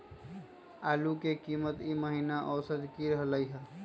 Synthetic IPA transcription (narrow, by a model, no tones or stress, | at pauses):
aːlukekimət̪iməɦinaʔɔsəd̪kiɾəɦələjɦə